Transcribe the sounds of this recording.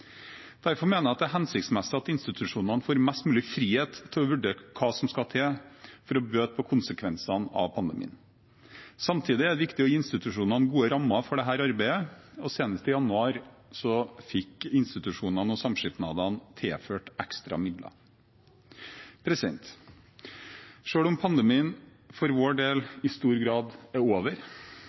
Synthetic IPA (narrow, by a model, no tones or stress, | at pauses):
d̪̥æɾfɔɾmeːnəɾɑt̪̚d̪ɛæɦɛnsɪkt̪smɛsəɑt̪ɪnst̪ɪt̪ʰʉʂuːnɑnəfoːɾmɛst̪mʉːlɪfɾiːheːt̪ʰːɪlɔʋʉɖeːkʰɑːsɔmskɑt̪ʰeːfɔɾɔbøːt̪̚pʰɔkʰʊnsəkʰʋɛnsɑnɑ̰ʋpʰɑnd̪əmḭːn | sɑmt̪ʰiːd̪ɪæɖɛʋɪkt̪ɪɔjiːɪnst̪ɪt̪ʉʂuːnɑnəɡuːəɾɑmːɑfɔɖɛɦæːɾɑɾbæɪəɔseːnəst̪əjɑnʉɑːɾsɔfɪkɪnst̪ɪt̪ʉʂuːnɑnɔsɑmʂɪt̪nɑ̰ːd̪ɑnt̪ʰeːføːʈɛkst̪ɾɑ̰mɪd̪lʔɑ̰ | pʰɾɛsɪd̪ɛ̰nt̪ | ʂøːɽʊmpʰɑnd̪əmiːən | fɔɾʋoːɖeːlɪst̪uːɾɡɾɑːd̪æɾoːʋəɾ